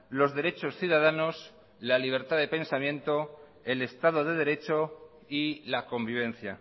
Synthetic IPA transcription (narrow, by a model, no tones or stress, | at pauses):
lo̞zðe̞ɾe̞t͡ʃo̞sθjuðað̞ano̞s | laliβ̞e̞ɾt̪aðe̞pe̞nsamjẽ̞nt̪o̞ | e̞le̞st̪að̞o̞ð̞e̞ð̞e̞ɾe̞t͡ʃo̞ | ilako̞mbiβ̞ẽ̞nθja